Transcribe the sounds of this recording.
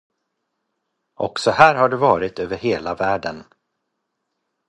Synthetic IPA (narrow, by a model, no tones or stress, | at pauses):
ʔɔ̰ksɔhæːɾhaɖɵvɑːɾɪt̪øːvəɾheːlavæːɖən